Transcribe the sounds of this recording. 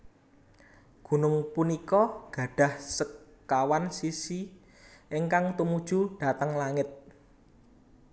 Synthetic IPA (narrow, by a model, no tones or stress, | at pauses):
ɡ̥ṳnʊŋpunikɔɡ̥ä̤ɖ̥ä̤hsəkː | awansisi | ʔɪŋkaŋt̪umud̥ʒ̥ṳɖ̥a̤t̪əŋlaŋɪt̪̚